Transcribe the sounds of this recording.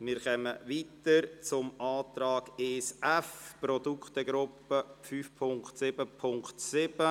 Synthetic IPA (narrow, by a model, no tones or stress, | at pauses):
mɪːɾχɛməʋiːt̪əɾt͡sʊmʔaːt̪ɾaːɡ̥eːsɛfprɔd̪ukχt̪əɡɾʊpːəfyːfpʰʊŋktsɪb̥əpʰʊŋktsɪb̥ə